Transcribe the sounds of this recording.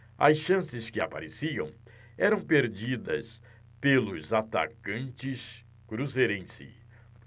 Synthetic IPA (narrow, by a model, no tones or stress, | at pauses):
ɐ̰sʃɐ̃sɪskɪapa̰ɾesiɐ̰̃w̃ | ɛɾɐ̃w̃peɾd͡ʒid̪ɐ̰s | pelʊzat̪a̰kɐ̃nt͡ʃɪs | kɾuzeɾẽsɪ̰